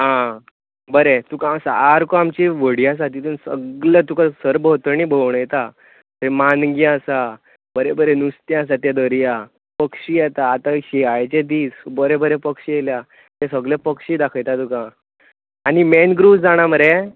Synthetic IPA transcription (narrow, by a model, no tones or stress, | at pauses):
ɦã | bəɾet̪ukãsaaɾkoamt͡ɕiʋəɽias̬at̪it̪ʰuːnsə̰ɡlet̪ukasəɾbʱət̪əɾɳibʱəʋɳəjt̪a | t̪əɾimanɡiasa | bəɾebəɾenust̪jãas̬at̪jad̪əɾja | pəkʂiːjɛt̪aːt̪aɕiajt͡ɕed̪iːsbəɾebəɾepəkʂielja | t̪ɛsəɡlepəkʂiːd̪akʰəjt̪at̪ukã | animenɡɾusd͡zaɽ̃aməɾe